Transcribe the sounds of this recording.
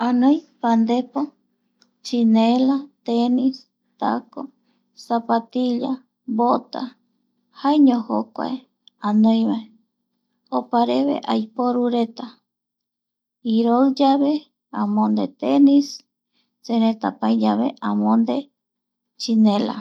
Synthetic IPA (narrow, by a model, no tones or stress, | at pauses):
anõj̃pand̪epo | t͡ʃinelat̪enis | t̪a̰ko | sapat̪iʎa | bot̪a̰ | haeɲõho̰kʷa̰e | ãnõj̃mae | opaɾeβḛʔajpoɾuɾet̪a | iɾoɨd͡ʒaβe̞ | ãmõnd̪et̪enis | t͡ʃeɾẽt̪apajd͡ʒaβḛʔãmõnd̪e̞ | t͡ʃinẽla̰